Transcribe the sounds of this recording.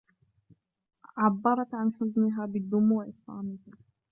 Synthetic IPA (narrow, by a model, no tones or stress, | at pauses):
ʕabːɑɾˤɑt̪ʕanħʊznɪɦaːbɪd̪ːʊmːwaʔɪsˤla̰ːmɪh